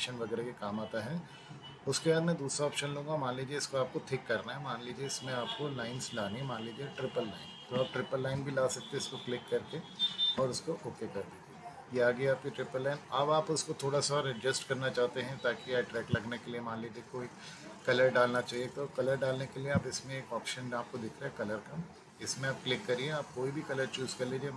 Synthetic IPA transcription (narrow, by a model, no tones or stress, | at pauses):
ʃənʋɐɡɛːɾekekaːmaːt̪aɦɛ | ʊskebaːd̪mɛ̃d̪uːsɾaɔːpʃənlũːŋɡamãːnliːd͡ʒieɪskoaːp̚koʈ̪ʰɪkːɐɾnaɦɛmãːnliːd͡ʒieɪsmẽaːp̚kolaːɪnslaːnimãːnliːd͡ʒieʈɾɪpəlːa̰ːɪnt̪oaːp̚ʈɾɪpəlːaːɪnbʱilaːsɐk̚t̪eɪskoklɪkːɐɾkeɔːɾʊskoʔoːkekɐɾe | jeaːɡiaːp̚kiʈɾɪpəlːaːɪnɐbaːpʊskot̪ʰoːɽasaɔːɾɪd͡ʒɪsʈkɐɾnat͡ʃaːɦt̪eɦɛ̃t̪aːkiaːʈɾɛːklɐɡnekeliemãːnliːd͡ʒiekoːi | kɐləɾɖaːlnat͡ʃaːɦiet̪oːkɐləɾɖaːlnekelieaːpɪsmẽeːkɔːpʃə̃naːp̚kod̪ɪkʰɾaɦɛkɐləɾkɐm | ɪsmẽaːp̚klɪkːɐɾieaːp̚koːibʱikɐləɾt͡ʃuːzkɐɾliːd͡ʒie